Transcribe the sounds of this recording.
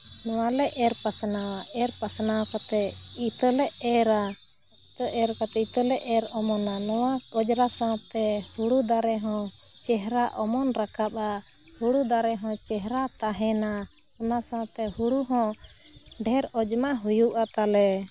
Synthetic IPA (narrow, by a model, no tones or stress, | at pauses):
nɔwalɛʔɛɾpasnawaʔɛɾpasnawkɔt̪ɛit̪əlɛʔɛɾa | it̪əʔɛɾkɔt̪ɛit̪əlɛʔɛɾɔmɔnanɔwaɔd͡ʒɾasat̪ɛhuɽud̪aɾɛɦɔ̃t͡ʃɛɦɾaʔɔmɔnɾakap̚ahuɽud̪aɾɛɦɔ̃t͡ʃɛɦɾat̪aɦɛna | ɔnasãt̪ɛhuɽuɦɔ̃ | ɖʱɛɾɔd͡ʒmaɦujuʔat̪alɛ